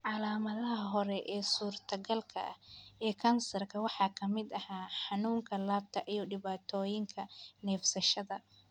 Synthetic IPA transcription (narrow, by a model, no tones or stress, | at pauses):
ʕɑlaːmɐðɐɦɐɦɔɾɛʔɛːsuːrt̪ʰɐɣɐlkʰɐ̰ʔɐhɛːkʰɐnsɐrkʰɐwɑħɑːkʰɐmɪd̪ɐhaːħɑnuːŋkʰɐlaːb̚t̪ʰɐʔijɔɖɪβaːt̪ʰɔːjɪŋkʰɐnɛːfsɐʃɐðɐ